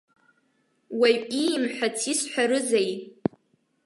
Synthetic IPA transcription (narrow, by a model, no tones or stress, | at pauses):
waɥimħʷᶣat͡sʰisħʷᶣaɾɨzej